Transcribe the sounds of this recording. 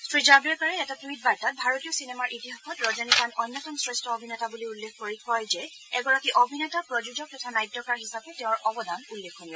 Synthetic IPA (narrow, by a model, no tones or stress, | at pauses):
stɹid͡ʒabɛɹpaɹɛɛtatit̚baɹtat̚bʱaɹotiɔsinɛmaɹʔitiɦaxɔtɹɔzanikanɔjnːɔtɔnsɹɛstʰɔobʱinɛtabuliulːekʰkoɹikɔjzɛ | ɛɡɔɹakiʔobʱinɛtapɹɔd͡ʒud͡ʒɔk̚tɔtʰanajtːɔkaɹɦisapɛtɛʊ̃ɹʔɔbɔdanulːekʰkonibɔ